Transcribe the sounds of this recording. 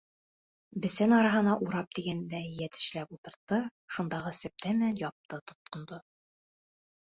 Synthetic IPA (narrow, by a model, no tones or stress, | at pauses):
bɘ̆sænɒɾɑɦɤ̆nɑʔuɾɑp̚t̪iɡænd̪æjæt̪ɘ̆ʃlæpulˠt̪ɤ̆ɾt̪ːɤʃund̪ɑʁɤsɘ̆p̚t̪æmæjɒp̚t̪ɤt̪ŏt̪̚qŏnd̪o